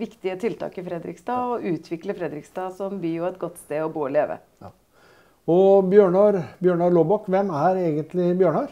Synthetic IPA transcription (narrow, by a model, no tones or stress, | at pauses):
ʋɪkt̪ɪət̪ʰɪlt̪ʰɑ̰ːkɪfɾɛd̪ɾɪ̰kst̪ɑːɔʉːt̪ʰʋɪkləfɾɛd̪ɾɪkst̪ɑːsɔmbyːjʊɛt̪̚ɡɔt̪ːst̪eːɔbuːɔleːʋə̰ | ɔbjøːɳɑɾbjøːɳɑɾloːbɑkːʋɛmæɾeːɡənt̪lɪbjøːɳɑɾ